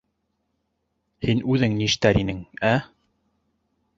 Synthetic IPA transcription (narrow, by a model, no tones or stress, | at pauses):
hinʉðɘŋniʃt̪æɾinɘŋæ